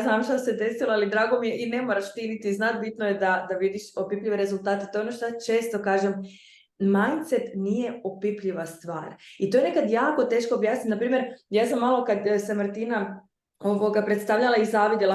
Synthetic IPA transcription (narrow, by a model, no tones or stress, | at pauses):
znaːmʃt̪ased̪e̞siloalid̪ɾaːɡo̞mije̞ʔine̞moɾaʃt̪init̪iznat̪̚bit̪noje̞d̪ad̪aʋid̪iʃo̞pipʎiʋeɾe̞zulˠt̪aːt̪et̪oeonoʃt̪ojat͡ʃeːst̪o̞kaːʒem | majnt̪set̪nije̞opipʎiʋast̪ʋaːɾit̪o̞jenekad̪jaːko̞t̪e̞ʃkoːbjaːsnit̪napɾiːmje̞ɾjaːsamːalˠo̞kad̪semrt̪ina | oʋoɡapɾet̪st̪aʋʎalˠaizaʋid̪jela